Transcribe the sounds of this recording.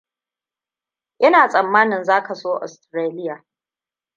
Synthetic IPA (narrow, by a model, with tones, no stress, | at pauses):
ʔɪ˦naː˨sʼɐ˨mːaː˦nɪ˨nzaː˦ka˨soː˦ʔɔ̰˨stɾeː˦lɪ˦jaː˨